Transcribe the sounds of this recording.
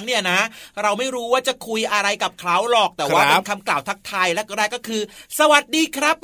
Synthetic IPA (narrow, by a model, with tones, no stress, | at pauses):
ŋni˥˩ɐna˦˥ɾa˧wma˥˩jɾuː˦˥waː˥˩t͡ɕa˨˩kʰu˧jʔa˧ɾa˧jka˨˩p̚kʰlaː˦˥wlɔː˨˩k̚t̪ɛː˨˩waː˥˩pe˧˦˧nkʰa˧mklaː˨˩wt̪ʰa˦˥k̚t̪ʰaː˧jlɛ˦˥kɾɛː˥˩kːɔː˥˩kʰɯː˧sa˧wa˨˩t̪̚diː˧kʰɾa˦˥p̚